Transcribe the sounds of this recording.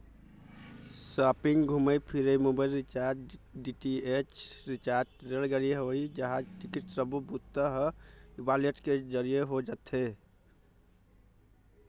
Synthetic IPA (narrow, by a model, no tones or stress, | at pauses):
sapiŋɡɡʱuməjpʰiɾəjmubalɾit͡ʃaɾʈɖiʈiet͡ʃɾit͡ʃaɾʈɾelɡəɾiɦoid͡ʒəɦad͡ʒʈikiʈsəbubut̪ːəɦəibaleʈked͡ʒəɾijeɦod͡ʒat̪ɦe